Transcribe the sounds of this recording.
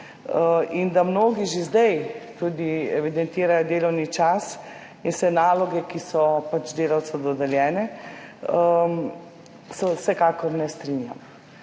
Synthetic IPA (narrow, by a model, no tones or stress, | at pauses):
ind̪amnoːɡiʒezd̪ɛjt̪ud̪iɛʋid̪ɛnt̪iːɾajɔd̪eːlɔwnit͡ʃas | insɛnaːlɔɡɛkisɔpat͡ʃd̪eːlawt̪sɛd̪ɔd̪ɛljɛːnɛ | sɔsɛkaːkɔɾnɛst̪ɾinja̰m